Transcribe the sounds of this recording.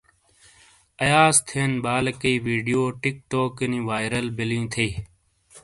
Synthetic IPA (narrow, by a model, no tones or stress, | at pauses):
əjaːzt̪ʰeːnɓaːlkəiːʋiːɖijoːʈɪk̚t̪oːkənĩːʋaːɪɾəlbɪljũːt̪ʰeː